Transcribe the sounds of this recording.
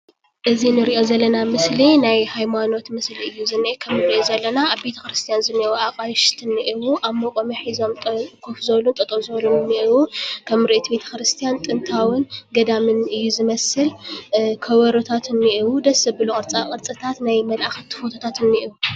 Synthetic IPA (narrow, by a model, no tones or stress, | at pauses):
ʔɨzinɨɾiʔo̞zɐlːɐnamɨslinajhajmano̞t̪mɨsliɨjːuzɨnːiʔkʰɐmːɨɾiʔozɐlːɐnaaβbe̞t̪ʰɐkɾɨst̪ʰijanzɨnɐwuakʼajʃt̪ʰɨnːiʔɨwuʔamokʼomiħizo̞mt̪ʼɐkʰʼufzɐβlunt̪ʼɐt̪ʼozɐβlumnːiʔɨwukʰɐmɾiʔet̪ibe̞t̪ʰɐ̥kɾɨst̪ʰijant̪ʼɨnt̪ʰawɨnɡɐd̪amɨnɨjːuzɨmɐsɨlkʰɐwɐɾot̪ʰat̪ʰɨnːiʔiwud̪ɐsɐbɨlukʼɨɾt͡sʼakʼɨɾt͡sʼɨt̪ʰat̪najmɐlʔaxɐt̪ʰːɨ̥fot̪ʰot̪ʰat̪ɨnːiʔiwu